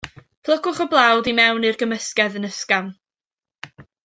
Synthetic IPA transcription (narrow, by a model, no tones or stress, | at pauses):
pʰlˠəkʊχɔblˠawdimɛwnɨrɡəməskɛðənəskam